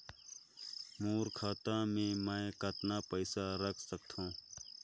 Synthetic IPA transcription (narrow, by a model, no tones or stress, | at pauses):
moːɾkʰaːt̪ãːmẽməkət̪napəɪsaɾəkʰsək̚t̪ʰõː